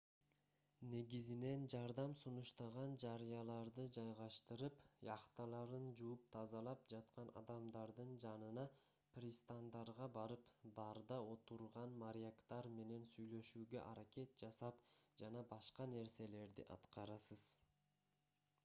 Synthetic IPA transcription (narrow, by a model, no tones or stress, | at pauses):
ne̞ɡizine̞nd͡ʒɑɾd̪ɑmsunuʃt̪ɑʁɑnd͡ʒɑɾɯjɑlˠɑɾd̪ɯd͡ʒɑjʁɑʃt̪ɯɾɯpjɑqt̪ɑlˠɑɾɯnd͡ʒuup̚t̪ʰɑzɑlˠɑp̚d͡ʒɑt̪qɑnɑ̰d̪ɑmd̪ɑɾd̪ɯnd͡ʒɑnɯnɑ | prʲist̪and̪ɑɾʁɑbɑɾɯpbɑɾd̪ɑo̞t̪uɾʁɑnmaɾʲjakt̪ɑɾme̞ne̞nsyjlø̞ʃyːɡø̞̰ʔɑɾake̞t̪̚d͡ʒɑsɑpd͡ʒɑnɑbɑʃqɑne̞ɾse̞le̞ɾd̪iʔɑ̰t̪qɑɾɑsɯz̥